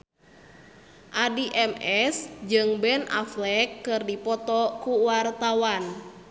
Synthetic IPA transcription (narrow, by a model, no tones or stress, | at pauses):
ʔadiʔɛmɛsd͡ʒɨŋbɛna̰flɛkːɨrdipɔt̪ɔkuwart̪awan